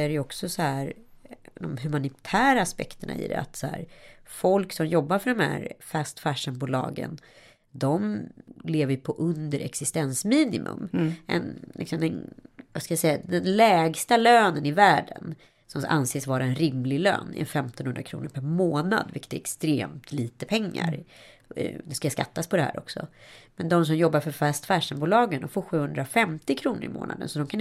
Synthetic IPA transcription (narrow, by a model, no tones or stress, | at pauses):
æɾɛjɔksɔsɔhæːɾd̪ɔmɦɵmanɪt̪ʰæːɾaːspɛ̰kt̪əɳa̰ɪ̰d̪ɛ̰a̰t̪sɔhæ̰ːɾfɔlksɔmjɔbːaɾfœɖɔmhæ̰ɾfæst̪fæʂənbuːlɑ̰ːɡə̰n | d̪ɔmleːvəjpʰɔʔɵnd̪əɾʔɛ̰ksɪst̪ɛnsmiːnɪmʔɵ̰mʔɛ̰nlɪ̰ksɔmd̪ɛnvaskajasɛjːad̪ɛnlɛːɡst̪aløːnənɪvæːɖə̰n | sɔma̰nseːsvɑːɾaɛnɾɪmlɪlø̰ːnɪ̰ɛ̰nfɛmt̪ɔnhɵnd̪ɾa̰kʰɾṵːnəɾpʰæɾmoːna̰d̪vɪ̰kːə̥t̪ɛ̰ɾɛkst̪ɾḛːmt̪ʰliːt̪əpʰɛŋːa̰ɾ | d̪ɛskajskat̪ːaspʰɔd̪ɛhɦæ̰ːɾɔ̰ksɔ̰mɛnd̪ɔms̬ɔmjɔbːaɾfœɾfɛst̪fæːʂɛnbuːlɑːɡənd̪ɔmfoːɾɧʉ̟ːhɵnd̪ɾafɛmt̪ɪkʰɾuːnə̰ɾɪ̰mo̰ːnʔa̰d̪ə̰nsɔd̪ɔmkʰan